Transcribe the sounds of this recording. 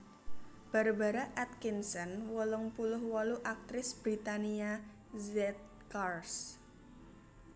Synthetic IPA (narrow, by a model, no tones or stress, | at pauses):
b̥a̤ɾubaɾaʔɛt̪̚kinsɔnwɔlʊŋpulʊhwɔluʔak̚t̪ɾɪsb̥ɾit̪ania | zɛt̪̚ | kars